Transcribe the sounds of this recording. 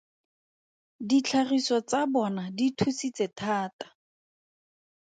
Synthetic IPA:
dit͡ɬʰarisɔt͡sabɔnaditʰusit͡setʰaːtḁ

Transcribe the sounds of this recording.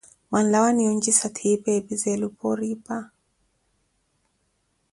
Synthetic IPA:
wanlawaniɔnd͡ʒisatʰipɛbizɛlupɔɾipa

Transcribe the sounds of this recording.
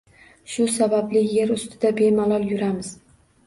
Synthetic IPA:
ʃʊsabablɪje̞ɾʊst̪ʰɪd̪abe̞malˠɒlˠjʊɾamɪz

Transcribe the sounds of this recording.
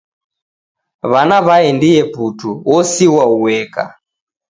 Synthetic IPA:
βanaβaɛndijɛputʰuwɔsiwauwɛka̰

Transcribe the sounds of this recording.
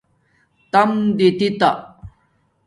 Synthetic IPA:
t̪ɐmd̪it̪it̪a

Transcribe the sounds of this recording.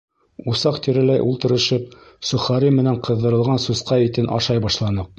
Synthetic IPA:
usɑqt̪iɾɘ̆læjʔulˠt̪ɤ̆ɾɤ̆ʃɤp̚ | sɵ̆χɑɾimɘ̆næɴqɤ̆ðːɤ̆ɾɤ̆lˠʁɑnsusqɑit̪ɘnʔɑ̰ʃɑjbɑʃlˠɑnɤq̚

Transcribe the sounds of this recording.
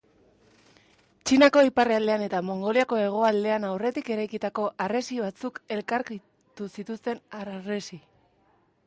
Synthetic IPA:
t͡ʃinako̞ipareald̪e̞ane̞t̪amo̞ŋɡo̞liako̞e̞ɣ̞o̞ald̪e̞anawre̞t̪ike̞ɾajkit̪ako̞ʔare̞siβ̞at͡suke̞lkaɾki | t̪usit̪ust̪e̞naresi

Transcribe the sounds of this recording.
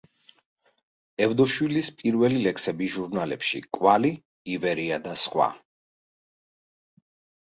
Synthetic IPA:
ɛvd̪ɔʃwilispʼiɾvɛlilɛksɛbiʒuɾnalɛ̰pʃḭkʼwali | ivɛɾiad̪asχwa̰

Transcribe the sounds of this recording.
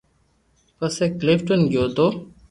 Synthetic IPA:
pəseːklɪfʈənɡjoːt̪oː

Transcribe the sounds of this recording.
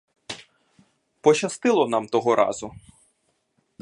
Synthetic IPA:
pɔt͡ʃɐst̪ɪlˠɔnɑmt̪ɔɦɔɾʔɑ̰zʊ

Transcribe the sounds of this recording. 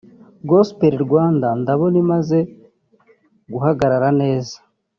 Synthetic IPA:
ɡospeɾiɾɡwaːndandaβo̞nimaze̞ | ɡuɦaɡaɾaɾane̞ːza

